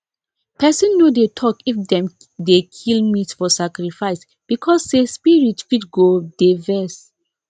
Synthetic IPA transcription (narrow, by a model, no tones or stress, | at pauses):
pɛsɛ̃nːodetʰɔkifdɛ̃m | dekʰilmitfɔsakɹifaɪs | b̥ikʰɔsdespiɹitkidɡod̥evɛs